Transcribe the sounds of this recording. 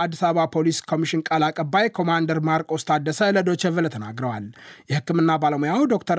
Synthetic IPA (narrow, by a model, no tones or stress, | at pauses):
ad̪ːisaβapʰo̞liskʰo̞miʃɪnkʼalakʼəbːajkʰo̞mand̪əɾmaɾkʼwst̪ʰʼad̪ːəsələd̪o̞t͡ʃːəvəlt̪ʰəna̰ɡɾəwaljɛhɨkːɨmɨnːabaləmojawd̪o̞kt̪ʰəɾ